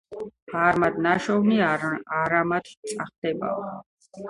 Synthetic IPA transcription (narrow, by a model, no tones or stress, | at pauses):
aɾmad̪naʃɔvniaɾamat̪ʰt̪sʼaχd̪̥ɛba̰ɔ